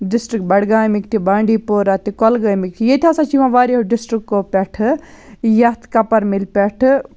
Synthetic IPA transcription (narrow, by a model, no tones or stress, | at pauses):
ɖɪsʈɾik̚bɐɽɡaːjmikt̪ʰibaːɳɖiːpoːɾat̪ikɔlɡaːjmik̚t̪ʰijet̪ʰʲaːsãt͡ʃiʋãʋaːɾiɦoɖɪsʈɾikːopʲɛʈʰ | jɐt̪kɐpɐɾmilpʲɛʈʰ